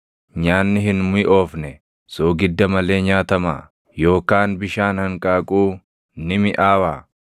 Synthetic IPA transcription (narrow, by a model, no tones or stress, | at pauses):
ɲaːnːɪɦɪnmʊʔoːfnɛ | soːɡɪd̪ːɐmɐle̞ːɲaːt̪ɐma̰ː | jo̞ːkaːnbɪʃaːnhɐŋkʼaːkʼuː | nɪmɪʔaːwaː